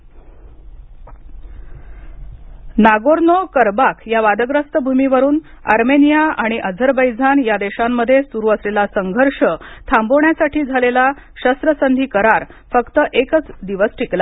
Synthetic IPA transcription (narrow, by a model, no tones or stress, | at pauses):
naɡoɾnokəɾbakʰjaʋad̪əɡɾəst̪əbʱumiʋəɾuːn | ə̰ɾmenijaaɽ̃iʔəd͡zʱəɾbəjd͡zʱanjad̪eɕamːəd̪ʱːjesuɾuəslelasəŋɡʱəɾʂət̪ʰamboɳjasaʈʰiːd͡zʱalela | ɕəst̪ɾəsənd̪ʱiːkəɾaɾ | fəkt̪əʔekət͡sd̪iʋəsʈʰikla